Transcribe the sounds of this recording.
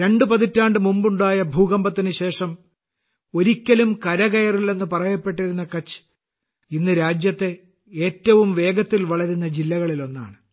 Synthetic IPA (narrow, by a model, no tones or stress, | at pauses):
ɾe̞ɳɖɨpɐðitːaːɳɖɨmumbuɳɖaːjɐbʱuːɣɐmbɐt̪ːinɨɕe̞ːʂɐm | o̞ɾikʲːɐlumkɐɾɐɣɐjɐrilːe̞nːɨpɐrɐjɐpːe̞ʈ̬ːiɾunːɐkɐt͡ɕːɨ̥ | inːɨɾaːd͡ʑjɐt̪ːe | e̞ːtːɐʋumʋe̞ːɡɐt̪ːilʋɐɭɐɾunːɐd͡ʑilːɐɣɐɭilo̞nːa̰ːɳɨ